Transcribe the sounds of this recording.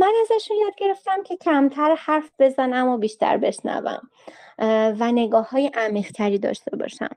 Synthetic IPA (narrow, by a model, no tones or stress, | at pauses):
mænæzæʃunjɒːd̪̚ɟe̞ɾe̞ft̪æmcʰe̞cʰæmt̪ʰæɾhæɾfb̥e̞zænæmːɔːbiːʃt̪ʰæ̰ɾbe̞ʃnæ̰væ̰m | væne̞ɡɒːhːɒːjeʔæmiːʁt̪ʰæɾiːd̪ɒ̰ːʃt̪e̞bɒ̰ːʃæ̰m